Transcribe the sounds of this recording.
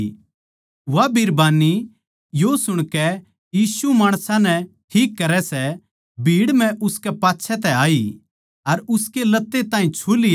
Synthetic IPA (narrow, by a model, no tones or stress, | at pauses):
ʋabʱiɾbaːni | josʊɽ̃kɛ | jiːsumaːɽ̃sãnɛʈʰiːkːɐɾɛsɛ | bʱiːɽm̤ɛ̃ʔʊskɛpaːtːʃʰɛt̪ɛaːi | ɐɾʊskelɐt̪ːet̪ãːɦĩt͡ʃʰuːlɪj